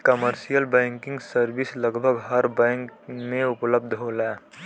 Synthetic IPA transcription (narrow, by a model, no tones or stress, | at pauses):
kəməɾʃijəlbɛ̃ːŋkɪ̃ŋɡsəɾbɪsləɡbʱəɡɦəɾbɛ̃ːŋkmẽʊpləb̚d̪ʱɦolaː